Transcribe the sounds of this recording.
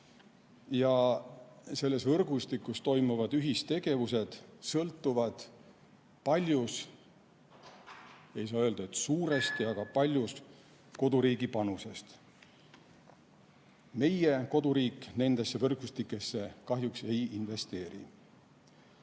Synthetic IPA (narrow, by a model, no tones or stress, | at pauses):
jɑ | se̞lːe̞svɤrɡ̥ust̪ikːˑust̪o̞jmuvɑd̪̥yɦist̪e̞ɡ̥e̞vuse̞d̪̥sɤlt̪ːˑuvɑd̪̥ | pɑlʲjus | e̞jsɑːøld̪̥ɑet̪suːɾe̞st̪iɑɡ̥ɑpɑlʲjus | ko̞d̪uɾiːɡipɑnuse̞st̪ | me̞jeko̞d̪uɾiːkne̞nd̪̥e̞sːe̞vɤrɡ̥ust̪ikːˑe̞sːe̞kɑɦjukse̞jinve̞st̪e̞ːɾḭ